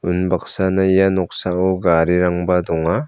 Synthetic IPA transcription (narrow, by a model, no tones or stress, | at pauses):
unbak̚sanaijanɔk̚saɔɡaɾiɾaŋbadɔŋa